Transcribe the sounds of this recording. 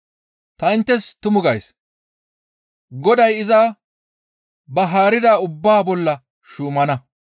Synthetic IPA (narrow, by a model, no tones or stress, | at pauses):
t̪ɐɪnt̪ːɛst̪ʊmʊɡɐjs | ɡɔd̪ɐjɪzaː | bɐɦaːɾɪd̪aːʊbːaːbɔlːɐ | ʃuːmɐnɐ